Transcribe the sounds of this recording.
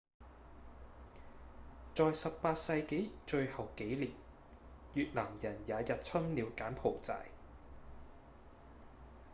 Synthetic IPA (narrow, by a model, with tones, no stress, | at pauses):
t͡sɔː˨jsɐ˨ppaː˧t̚sɐ˧jke˨˥jt͡ʃɵ˧ɥhɐ˨wke˨˥jliː˨p̚ | jyː˨t̚laː˨˩mjɐ˨˩njaː˨˧jɐ˨t̚t͡sʰɐ˥ŋliː˨˧wkaː˨˥npʰo˨˩wt͡sa̰ː˧j